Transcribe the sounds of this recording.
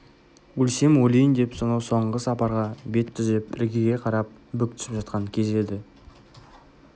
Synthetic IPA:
wɵlse̞mwɵlʲijənd̪e̞psonɑwso̞ɴʁəsɑpɑɾʁɑbe̞t̪ʰːʏzɪpɪ̰ɾɡʲeɡʲe̞qʰɑɾɑp̚ | bʏk̚t̪ʰʏ̥sɪ̥pʒɑt̪qɑŋkʲʰe̞ze̞d̪ɪ

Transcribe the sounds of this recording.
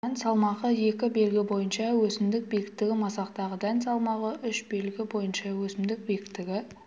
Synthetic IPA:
ænsɑlˠmɑʁəje̞kʲɪbe̞lɡʲɪbo̞jənʃɑwɵsɪmd̪ɪk̚bejkʲɪ̥kt̪ːɪɡʲɪmɑsɑqt̪ɑʁəd̪ænsɑlˠmɑʁəʏʃbe̞lɡʲɪbo̞jənʃɑwɵsɪmd̪ɪk̚bekʲɪ̥t̪ːɪɡʲɪ

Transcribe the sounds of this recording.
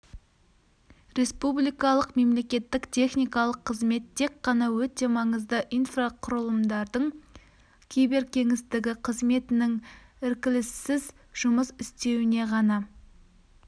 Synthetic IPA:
ɾe̞spublijkɑlˠəqme̞mle̞kʲe̞t̪ːɪkt̪ʲʰe̞χnijkɑlˠəqʰːəzme̞t̪ʰːe̞kqːɑnɑwɵt̪e̞mɑɴəzd̪əʔijnfraqʰʊɾəlˠəmd̪ɑɾd̪əɴ | kʲʰejbe̞ɾkʲʰe̞ŋɪsd̪ɪɡʲɪqʰəzme̞t̪ɪnɪŋɪɾkʲɪlɪsːɪz | ʒ̥ʊməsɪst̪e̞wɪne̞ʁɑnɑ

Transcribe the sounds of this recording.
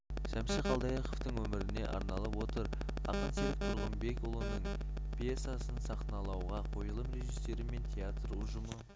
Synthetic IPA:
sæmsɪqɑlˠd̪ɑjɑqoft̪əɴwɵmɪɾɪne̞̰ʔɑ̰ɾnɑlˠəpwo̞t̪əɾ | ɑ̰qənseɾɪk̚t̪ʰʊɾʁəmbe̞kolˠonːəɴ | pʰje̞sasənsɑqnɑlˠɑwʁɑqʰo̞jəlˠəmɾe̞ʒisːe̞ɾɪme̞nt̪ʲʰeat̪ɾuʒʊmə

